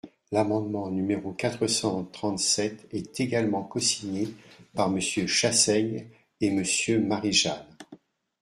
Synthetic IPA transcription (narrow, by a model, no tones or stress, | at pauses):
lamɑ̃d̪mɑ̃nymeʁokat̪χəsɑ̃t̪χɑ̃t̪sɛt̪ɛt̪eɡalmɑ̃kɔsiɲepaʁməsjøʃasɛɲ | eməsjømaʁiʒan